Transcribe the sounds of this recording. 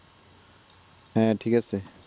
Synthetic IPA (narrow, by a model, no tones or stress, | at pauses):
hɛ̃tʰikasɛ